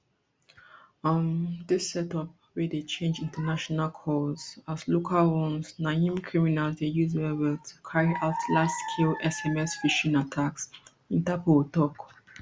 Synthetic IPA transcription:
ʌmðɪsɛtɔp̚ | wedet͡ʃʰẽnd͡ʒĩntənaʃɔnalkʰɔz̥azlokʰalwɔ̃nsnaĩmkʰɹiminalzdejuzɛbɛtʰukʰaɹiʔaʊtʰlastkʰilʔɛsɛmɛsfiʃĩnatʰaks | ĩntapotɔk

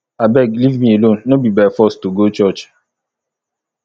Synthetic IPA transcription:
abɛɡlivmielõnːobibɛfɔstuɡot͡ʃɔt͡ʃ

